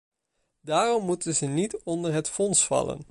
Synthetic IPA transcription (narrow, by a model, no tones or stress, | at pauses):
daːrɔmːutənzənitɔndəɹɦətfɔnsfɑ̰lə̰n